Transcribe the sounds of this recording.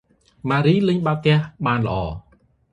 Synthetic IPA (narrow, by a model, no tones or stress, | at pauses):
maːɾiːlɨɲɓakɛ̆əhɓaːnlə̆ʔɑː